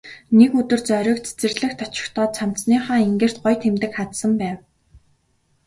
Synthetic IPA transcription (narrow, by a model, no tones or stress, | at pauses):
nekɵt̪ɵ̆rt͡sœɾʲɞ̆ːkt͡sʰe̥t͡sɘ̆rɮɘ̆xt̪ʰːat͡ɕɪ̥̆xt̪ʰɔːt̪t͡sʰam̥niːχaːeŋɡeːr̥t̪̚ɢɔjt̪ʰemt̪ɘ̆kχat̪sə̆mpæːw